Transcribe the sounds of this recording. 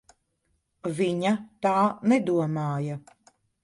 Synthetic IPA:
viɲat̪aːnɛd̪uɔmaːja

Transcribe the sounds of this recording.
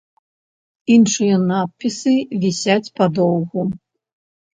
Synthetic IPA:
inʂɨjɐnat̪̚pʲːisɨvʲisʲat͡sʲpad̪ɔwɣu

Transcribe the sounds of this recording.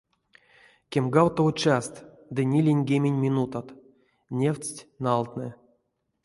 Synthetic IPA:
kʲemɡawt̪out͡ʃast̪ | d̪ɨnʲilʲenʲɡʲemʲenʲmʲinut̪at̪ | nʲefʲt͡sʲtʲnalˠt̪nɨ

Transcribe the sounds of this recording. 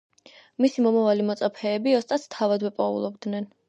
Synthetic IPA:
misimɔmavalimɔt̪sʼapʰɛːbiɔst̪ʼast̪ʰavad̪wɛpʼɔṵlˠɔbd̪nɛn

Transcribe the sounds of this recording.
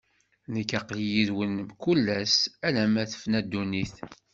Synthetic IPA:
nəkːæqljiðwənəmkulːæsælæmæθə̥fnæd̪ːuniθ

